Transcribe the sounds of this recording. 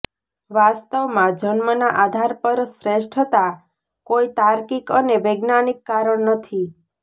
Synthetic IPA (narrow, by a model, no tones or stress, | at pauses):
ʋast̪əʋmãd͡ʒənmənaʔad̪ʱaɾpəɾsɾeʃʈʰət̪a | koit̪aɾkikəneʋeɡnanikːaɾəɳnət̪ʰi